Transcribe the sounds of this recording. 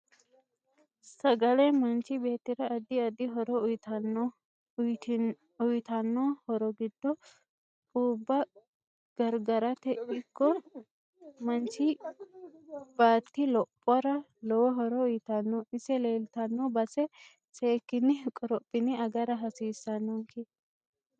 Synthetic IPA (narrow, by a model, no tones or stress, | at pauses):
sɐɡɐlɛmɐnt͡ʃɪbe̞ːt̪ːɪɾɐːd̪ɪɐd̪ɪɦɔɾɔʊjt̪ɐn | ʊjt̪ɐnːɔhɔɾɔɡɪd̪ːɔ | uːbːɐ | ɡ̥ɐɾɡɐɾɐt̪ɛʔɪkːɔ | mɐnt͡ʃːɪ | b̥aːt̪ːɪlɔpʼːɔɾɐ | lɔwɔɦɔɾɔʊjt̪ɐnːɔʔɪsɛle̞ːlt̪ɐnːɔbɐsɛ | seːkːɪnɪkʼːɔɾɔpʼːɪnɪɐɡɐɾɐɦɐsiːsːɐnːɔŋke